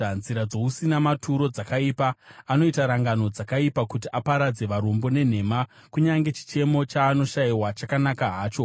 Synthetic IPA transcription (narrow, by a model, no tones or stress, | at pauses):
anziɾad͡zo̞usinamatʰuɾo̞d͡zakaipaːno̞itaɾaŋɡano̞d͡zakaipakut̬iʔapaɾad͡ze̞ʋaɾombo̞ne̞n̤e̞makuɲaŋɡe̞t͡ʃi̥t͡ʃe̞mo̞t͡ʃaːno̞ʃaiwat͡ʃakanakaɦaːt͡ʃo